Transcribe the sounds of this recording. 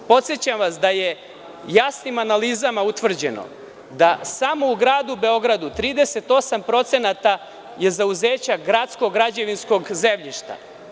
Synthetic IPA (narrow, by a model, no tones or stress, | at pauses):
po̞t̪sjet͡ɕamʋasd̪aje̞ | jasnimanalizamaut̪ʋr̩d͡ʑe̞no̰ | d̪asamo̞uɡɾaːd̪ube̞o̞ɡɾad̪ut̪ɾiːd̪e̞se̞t̪o̞sampɾo̞t̪se̞nat̪a | je̞zauze̞ːt͡ɕaɡɾat̪sko̞ɡɾad͡ʑeʋinsko̞ɡzemʎiʃt̪a̰